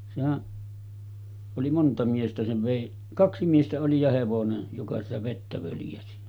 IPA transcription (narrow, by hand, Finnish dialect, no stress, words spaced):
sehæʔ oli montɑ miestæ seʋ ʋeˑi kɑksi miestæ oli jɑ heʋonen jokɑ sitæ ʋetːæ ʋøljæsi